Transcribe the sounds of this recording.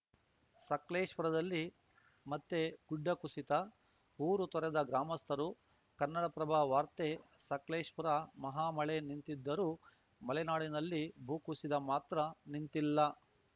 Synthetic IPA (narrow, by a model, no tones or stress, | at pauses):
sɐkleːʂpuɾɐd̪ɐlːi | mɐt̪ːeɡ̥uɖːɐkusit̪ɐ | ɦuːɾut̪ɔɾɛd̪ɐɡɾaːmɐst̪ʰɐɾu | kɐnːɐɽɐpɾɐbʱaːʋaːɾt̪esɐkleːʂpuɾɐmɐɦaːmɐɭe̞nint̪id̪ːɐɾuː | mɐlɛnaːɽinɐlːibʱuːkusid̪ɐmaːt̪ɾɐnint̪ilːɐ